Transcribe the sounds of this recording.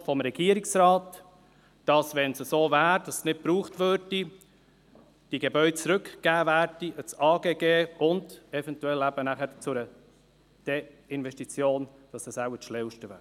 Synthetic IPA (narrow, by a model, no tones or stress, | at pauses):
fɔmɾɛɡ̥iːəɾɪksɾɑːt | d̥ɑsʋɛnsəsoːvæːɾd̥ɑssnɪt̚pɾuːχtvøɾdi | d̥iɡebœʏdət͡sɾʏkɡ̥æːvæːɾdiət͡sɑːɡeːɡeːʊndɛfɛntuɛlæbənæχət͡sʊɾə | d̥eɪnvɛʃtit͡sjoːnd̥ɑsəsaʊəʃlɛwʃtəvæ̰ː